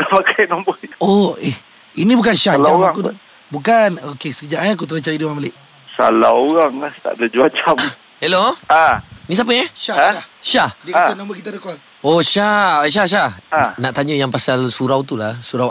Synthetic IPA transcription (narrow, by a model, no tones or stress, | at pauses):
apakajnambəoeh | inibukanʃahlamɣaŋku | bukanokesə̥kəd͡ʒaʔaak̬ut̪əɾət͡ʃajudiwamaliʔ | sa̰laoɣaŋlaht̪a̰ʔdəd͡ʒuat͡ʃam | heloanis̬apəɛʃaʃahʃahdaanambəkit̪adəkan | oʃaʃ̬ahʃ̬ahanaʔt̪aɲəjaŋpasalsuɾawt̪ulahsuɾaw